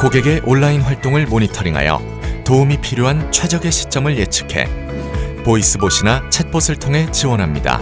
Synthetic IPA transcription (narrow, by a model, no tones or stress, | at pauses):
koɡe̞ɡe̞ʔoɭːainɸwaɭt͈oŋɯɭmoɲitʰʌɾiŋɦa̰jʌ̰ | toumipʰiɾjoɦant͡ɕʰwe̞d͡ʑʌɡe̞ɕʰi̥t͡ɕ͈ʌmɯɭjet͡ɕʰɯ̥kʰe̞̰ | pois͈ɯboɕ͈ʰinat͡ɕʰet̚p͈ʰosʰɯɭtʰoŋɦe̞t͡ɕiwʌnɦamɲida̰